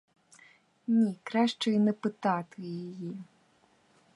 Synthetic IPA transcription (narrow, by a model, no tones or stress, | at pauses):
nʲikɾaʂt͡ʂɐjnɨpɨt̪at̪ɨjaji